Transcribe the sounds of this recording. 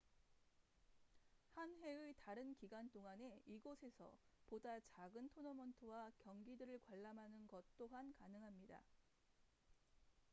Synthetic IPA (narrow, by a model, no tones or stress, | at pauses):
hanɦe̞ɯtaɾɯnkiɡant͈oŋane̞iɡosʰe̞sʰʌ̰podat͡ɕaɡɯntʰonʌmʌntʰɯwakjʌŋɡidɯɾɯɭkwaɭːamɦanɯnɡʌt̚t͈oɦankanɯŋɦamɲida̰